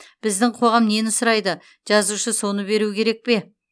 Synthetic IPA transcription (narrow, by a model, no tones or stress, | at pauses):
b̥ɪzd̪ɪŋqʰo̞ʁɑmne̞nʊsʊɾɑjd̪ə | ʒ̥ɑzuʃəso̞nəbe̞ɾukʲʰe̞ɾe̞k̚pe̞